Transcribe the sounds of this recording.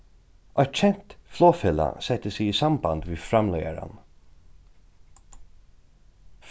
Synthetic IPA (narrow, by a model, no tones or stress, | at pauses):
ʔœʏt̪t͡ʃʰɛn̥t̪floːfɪla̰sɛt̪əsɪiːsamband̪ʋiːfɾamlœjaɾa̰n | f